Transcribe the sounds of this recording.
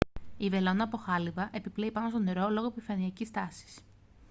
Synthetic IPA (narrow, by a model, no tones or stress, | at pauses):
ive̞lo̞nɐːpo̞xɐlivɐʔe̞piple̞ipɐnost̪one̞ɾo̞lo̞ɣoepifɐniɐcist̪ɐsi̥s